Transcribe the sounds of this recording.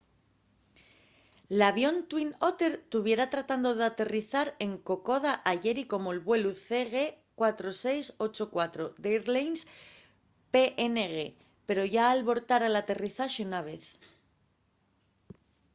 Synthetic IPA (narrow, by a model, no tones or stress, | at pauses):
laβjo̞nt̪wino̞t̪e̞ɾt̪uβ̞je̞ɾat̪ɾat̪and̪oðeat̪e̞riθaɾe̞ŋko̞ko̞ð̞aʔaʝe̞ɾiko̞mo̞elβwe̞luθe̞ɣe̞ | kwat̪ɾo̞se̞jso̞t͡ʃo̞kwat̪ɾo̞d̪ejɾlejns | pe̞ʔeneɣe̞ | pe̞ɾo̞ʝaːlβo̞ɾt̪aɾalat̪e̞riθaʃeunaβ̞e̞θ